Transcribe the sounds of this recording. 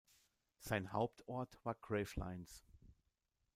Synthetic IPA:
z̥aɪnha̰ʊp̚tʰɔɐtv̥aːɐɡʁeːfla̰ɪns

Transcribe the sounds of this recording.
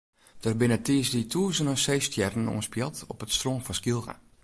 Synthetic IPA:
d̥ərbɪnətiəsditʰuəsənəseːstjɛrən̩ṵənspjɔtɔ̰pətstroːnfɔnskilˠɣa̰

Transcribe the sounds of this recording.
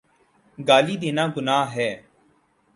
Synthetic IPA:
ɡaːliːd̪ɪːnãːɡʊnaːɦɛː

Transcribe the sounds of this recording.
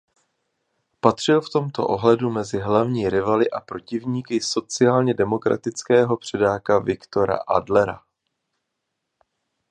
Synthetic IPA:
pat̪r̥ɪlft̪o̞mt̪o̞̰ʔo̞ɦlɛdumɛzɪɦlavɲiːɾɪvalɪʔapɾo̞cɪvɲiːkɪso̞t͡sɪaːlɲɛdɛmo̞kɾa̰t̪ɪt͡skɛːɦo̞pr̝̥ɛdaːkavɪkt̪o̞ɾa̰ʔadlɛɾa̰

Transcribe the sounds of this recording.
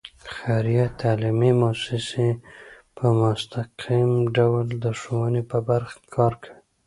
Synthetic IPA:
xaɾjat̪ʰalimimosɪse | pʰəmʊst̪aqʰimɖawld̪əʂowənepəbaɾxkʰɑɾkʰəɽi

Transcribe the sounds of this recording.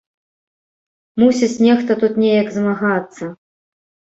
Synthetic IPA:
musʲit͡sʲnʲɛxt̪ɐt̪ut̪nʲejɐkzmaɣat̪sːɐ

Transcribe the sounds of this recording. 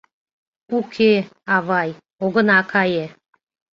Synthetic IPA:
ukʰeɑβɑj | oɣə̆nɑkʰɑje

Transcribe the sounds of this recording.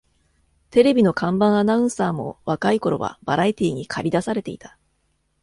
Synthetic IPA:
t̪e̞ɾe̞bʲino̞kãmbãɰ̃anaɯ̃saːmo̞̰βakaiko̞ɾo̞̰βa̰b̥aɾait̪ʲiːɲ̟ikʰaɾʲid̪asaɾe̞t̪e̞it̪ḁ

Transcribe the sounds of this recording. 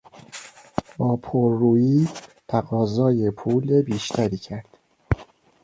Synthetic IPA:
bɒːpʰoɾːuːjiːt̪ʰæɣɒːzɒːjepʰuːlebiːʃt̪ʰæɾiːcʰæɾd̪̥

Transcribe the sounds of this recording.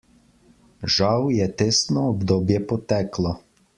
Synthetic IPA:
ʒɑwjɛt̪ɪsnɔɔbd̪ɔbjɛpɔt̪ɛklˠɔ

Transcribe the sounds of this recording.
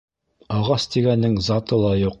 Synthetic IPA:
ɑʁɑst̪iɡænːɘŋzɑt̪ɤlˠɑjuq̚

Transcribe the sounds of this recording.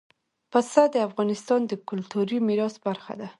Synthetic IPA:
pasad̪əafɣɑnɪst̪ɑnd̪əkʊlt̪uɾimiɾɑsbaɾxa̰d̪a

